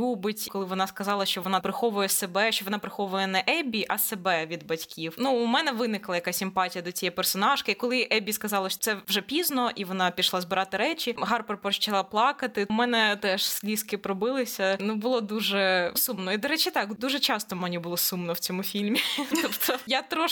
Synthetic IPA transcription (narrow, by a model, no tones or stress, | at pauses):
ubɪtʲkɔlˠɪʋɔnɑskɐzɑlˠɐʃt͡ʃɔʋɔnɑpɾɪxɔʋʊjɛsebɛʃt͡ʃɔʋɔnɑpɾɪxɔʋʊjɛnɛʔɛbʲiʔɐsebɛʋʲid̪bɐtʲkʲiwnuːmɛnɛʋɪnɪklˠɐjɐkasʲimpɑtʲijɐd̪ɔt͡sʲijɛpɛrsɔnɑʒkɪikɔlˠɪʔɛbʲiskɐzɑlˠɐʃt̪sɛʋʒɛpʲiznɔʔiʋɔnɑpʲiʃlˠɑzbɨɾɑt̪ɪɾɛt͡ʃʲiɦɑrpɐrpɾɔt͡ʃɐlˠaplˠɑkɐt̪ɪmɛnɛt̪ɛʂsʲlʲiskɪpɾɔbɪlˠɪsʲɐnubʊlˠɔd̪uʒɛsumnɔid̪ɔɾɛt͡ʃɪt̪ɑkd̪uʒɛt͡ʃɑst̪ɔmɐnʲibʊlˠɔsumnɔwt͡sʲɔmufʲilʲmʲit̪ɔpt̪ʰɔjat̪ɾɔʃ